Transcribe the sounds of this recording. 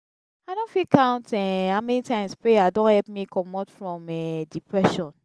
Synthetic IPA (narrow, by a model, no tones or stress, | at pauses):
aɪdõnfikãʊ̃ntɛhamɛnitãɪ̃mspɹeadõnhɛlpmikʰɔmɔtfɹɔ̃mɛdipʰɹɛʃɔ̃n